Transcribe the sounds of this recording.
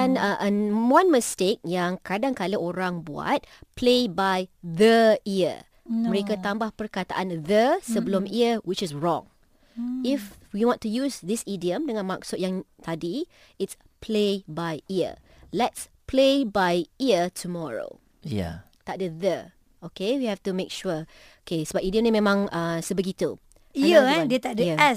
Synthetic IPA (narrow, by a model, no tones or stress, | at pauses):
anəʔənwãnməstek̚jaŋkadaŋkaləʔoɾaŋbua̰t̪̚plebajðəiə̰ | məɾekat̪ambahpərkat̪a̰ʔanðəsəbəlʊmiəwɪt͡ʃɪsɹɔ̰̃ŋ | ɪfwiwɔ̃ntujusd̪ɪsidiə̃mdəŋãnmaksʊt̚jaŋt̪ʰadi | ɪts | pʰlebajiə̰ | lɛts | pʰlebajiətʰumɔɹo̰ | ja̰ | t̪aʔ̚dəðə | okewihɛftumekʃu | okesəbapidiə̃mnĩmẽmãŋəsəbəɡit̪u | iədet̪adəɛ